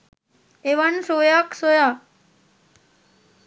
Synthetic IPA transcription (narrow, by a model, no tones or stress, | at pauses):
eʋənsojaksoja